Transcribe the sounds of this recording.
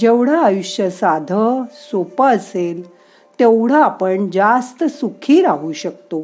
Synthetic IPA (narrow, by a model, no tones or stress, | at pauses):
d͡ʑeʋɽ̤aːjuɕjəsad̪ʱəsopəːəsel | t̪ewɽ̤aːpəɳd͡ʑast̪əsukʰiːɾaɦuɕək̚t̪o